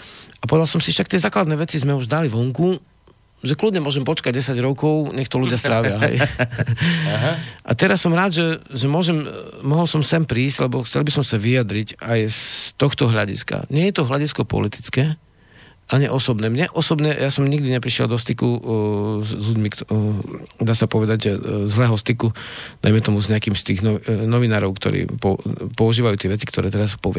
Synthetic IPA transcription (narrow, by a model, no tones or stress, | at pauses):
apɔʋɛd̪alsɔmsifʃak̚t̪ɛzaːklad̪nɛːʋɛt͡sizmɛuʒd̪aliʋɔŋku | ʒɛklud̪ɲɛmʊɔʒɛmpɔt͡ʃkaɟ̚ːɛsaɟɾɔkɔʊɲɛxt̪ɔluɟɪast̪ɾaʋɪaɦɛ̰j | ɦʔa̰t̪ɛɾasːɔmɾaːd̪ʒɛʒɛmʊɔʒɛmmɔɦɔlsɔmsɛmpɾiːzɟ̥lɛbɔxt͡sɛ̰lbisɔmsaʋijad̪ɾicajst̪ɔxt̪ɔɦʎaɟḭska̰ɲɛjɛt̪ɔɦlaɟiskɔpɔ̰lit̪i̥t͡skɛː | ʔaɲiʔɔsɔbnɛːmɲɛʔɔsɔbɲɛjasɔmɲiɡd̪iɲɛpɾiʃɛ̰ld̪ɔst̪iku | zʎuɟmik | d̪aːsapɔʋɛd̪aɟzlɛːɦɔst̪ikud̪̥a̰jmɛt̪ɔmuzɲɛakiːmst̪iːɣnɔnɔʋinaːɾɔʊkt̪ɔ̰ɾḭːpɔpɔuʒiːʋajuːt̪ɛʋɛt͡sikt̪ɔɾɛːt̪ɛɾaspɔʋɪɛ